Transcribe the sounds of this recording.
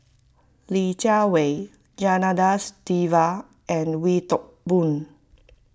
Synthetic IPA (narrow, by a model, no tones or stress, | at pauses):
lit͡ʃawe | d͡ʒanadastiva | ʔɛ̃nwitɔk̚bũn